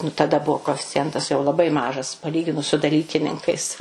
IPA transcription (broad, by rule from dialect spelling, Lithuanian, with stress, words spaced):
nʊ tɐˈdɐ ˈbuɔ koːɛfʲɪt͡sʲɪˈjɛntɐs jɛʊ lˠɐˈbɐɪ ˈmɑːʒɐs pɐˈlʲiːɡʲɪnʊs sʊ dɐˈlʲiːkʲɪnʲɪŋkɐɪs